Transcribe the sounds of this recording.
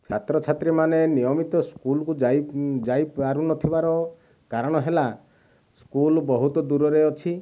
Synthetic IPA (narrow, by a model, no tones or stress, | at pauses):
t͡ʃʰat̪ɾɔt͡ʃʰat̪ɾimanenijɔmit̪ɔskulɔkud͡ʒjd͡ʒajaɾunɔt̪ʰibaɾɔ | kaɾɔɽ̃ɔɦela | skulbɔɦut̪ɔd̪uɾɔɾeɔt͡ʃʰi